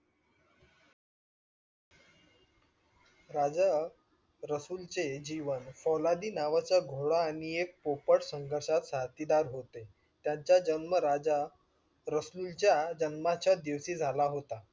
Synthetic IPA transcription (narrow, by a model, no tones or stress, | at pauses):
ɾad͡za | ɾəsult͡sed͡ʑiʋənfɔlad̪iːnaʋat͡ɕaɡʱoɽaːɽ̃iek̚popəʈsəŋɡʱəɾʂat̪sat̪id̪aɾɦot̪e | t̪jaɲt͡ɕjad͡ʑənməɾad͡ʑa | ɾəslult͡ɕjad͡ʑənmat͡ɕad̪eʋsiːd͡zʱalaɦot̪a